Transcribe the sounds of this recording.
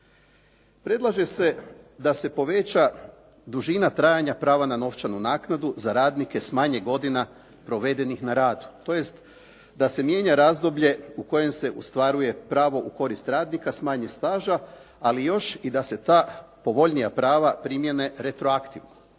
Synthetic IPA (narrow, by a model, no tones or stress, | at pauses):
pɾe̞d̪lˠaʒe̞se̞d̪ase̞po̞ʋe̞t͡ɕa | d̪uʒinat̪ɾaːjaɲapɾaːʋanano̞ft͡ʃanunaːknad̪uzaɾaːd̪nike̞smaːɲe̞ɡo̞d̪ina | pɾo̞ʋe̞d̪e̞nixnaɾaːd̪u̥t̪o̞je̞st̪ | d̪ase̞mje̞ɲaɾazd̪o̞bʎe̞uko̞je̞mse̞ʔust̪ʋaɾuje̞pɾaːʋo̞ʔuko̞ɾist̪ɾaːd̪nikasmaːɲest̪aːʒaː | lijo̞ʃid̪ase̞t̪aːpo̞ʋo̞ʎnijapɾaːʋapɾimje̞ne̞ɾe̞t̪ɾo̞akt̪iʋno